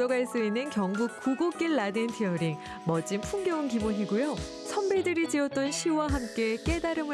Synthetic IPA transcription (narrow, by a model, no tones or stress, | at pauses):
ʌɡaɭs͈uinːɯnkjʌŋɡukk͈uɡok͈iɭːadentʰiʌɾiŋ | mʌd͡ʑ͈impʰuŋɡjʌunkibonɦiɡujo | sʰʌnbedɯɾid͡ʑiʌt̚t͈ʌnɕʰiwaɦamk͈e̞k͈e̞daɾɯmɯ